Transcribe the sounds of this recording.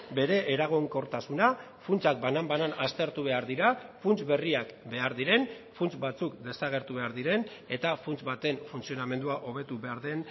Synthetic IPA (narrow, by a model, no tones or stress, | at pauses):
be̞ɾe̞ʔːɾaɣ̞oŋko̞ɾt̪asuna | funt͡sak̚banambananast̪e̞ɾt̪uβe̞aɾðiɾafunt͡sβe̞riakbe̞aɾðiɾe̞n | funt͡sbat͡sukd̪e̞saɣ̞e̞ɾt̪uβe̞aɾðiɾe̞ne̞t̪afunt͡sβat̪e̞ɱfunt͡sio̞name̞nd̪uaʔo̞β̞e̞t̪uβe̞aɾðe̞n